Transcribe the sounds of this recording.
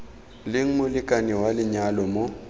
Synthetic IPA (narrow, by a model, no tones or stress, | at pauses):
lɪŋ̩mʊlɪkʼaniwalɪɲalɔmo